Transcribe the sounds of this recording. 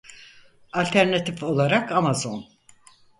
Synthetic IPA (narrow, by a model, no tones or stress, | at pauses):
alʲt̪ʰæɾnat̪ʰifo̞lˠaɾakamazo̞n